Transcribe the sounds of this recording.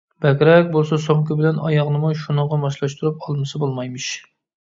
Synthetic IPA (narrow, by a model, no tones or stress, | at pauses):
b̥ɛkʲɾɛk̚ʲbolˠsɑsoŋkɪbɪlɛnɑjɑʁnɨmuʃunəŋʁɑmɑʃlˠɑʃt̪uɾup̚ɑlˠmɨsɨbolˠmɑjmɨʃ